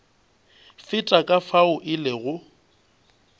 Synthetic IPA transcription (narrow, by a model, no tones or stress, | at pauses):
fɪtʼakʼafaʊʔɪlɪɣʊ